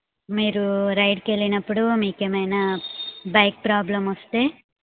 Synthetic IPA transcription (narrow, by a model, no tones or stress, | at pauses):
miːɾuɾɐjɖke̞linɐpːuɽumiːkeːmɐjnaːbaːk̚pɾaːblɐmost̪e̞ː